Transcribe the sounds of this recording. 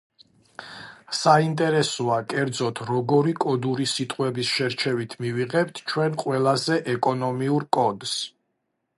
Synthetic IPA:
saint̪ʼɛɾɛsɔakʼɛɾd̪zɔt̪ʰɾɔɡɔɾikʼɔd̪uɾisit̪ʼqʼwɛbisʃɛɾt͡ʃʰɛvit̪ʰmiviʁɛp̚t̪ʰt͡ʃʰwɛnqʼwɛlˠazɛʔɛkʼɔnɔmiuɾkʼɔd̪s

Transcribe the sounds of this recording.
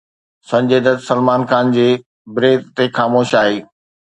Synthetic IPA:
sɐ̃ɲd͡ʑeːd̪ətsɐlmaːnxaːnd͡ʑeː | bɾeːt̪t̪exaːmoːʃaːɦeː

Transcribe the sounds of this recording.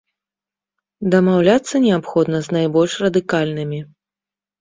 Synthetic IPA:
d̪ɐmawlʲat̪sːɐnʲɛapxɔd̪nɐznajbɔlʲʂrɐd̪ɨkalʲnɨmʲi

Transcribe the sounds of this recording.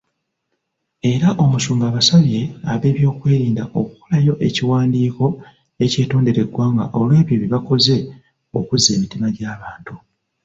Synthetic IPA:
e̞ɾaʔo̞musuːmɡaːβasaβje̞aβe̞ːβjo̞ːkwe̞ːɾiːndaʔo̞ku̥ko̞lajo̞ʔe̞ciwaːndiːko̞ | e̞ce̞ːto̞ːnde̞ɾe̞ɡwaːŋɡa̰ʔo̞lwe̞ːβjo̞βiβako̞ze̞ | o̞̰kuzːe̞ːmitimaɟaːβaːntu

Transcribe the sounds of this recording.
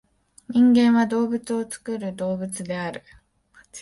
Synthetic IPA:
ɲ̟ĩŋɡẽ̞ɰ̃βad̪o̞ːbɯ̟t͡sɨo̞t͡sɨ̥kɯ̟ɾɯ̟d̪o̞ːbɯt͡sɨd̪e̞aɾɯ̟

